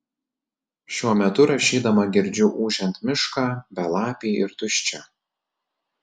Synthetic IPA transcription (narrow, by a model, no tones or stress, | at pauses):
ʃʲuɔmʲɛt̪ʊɾɐʃʲiːd̪ɐmɐɡʲɪɾʲd͡ʒʲʊʔuːʒʲɛnt̪mʲɪʃkɑːbʲɛlˠɑːpʲiːɪɾt̪ʊʃʲt͡ʃʲɛ